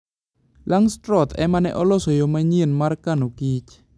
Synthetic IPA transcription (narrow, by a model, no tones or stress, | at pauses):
laŋstɾɔt̪ʰɛ̰manɛ̰ʔɔlɔsojomaɲenmarkanoɡɪt͡ʃ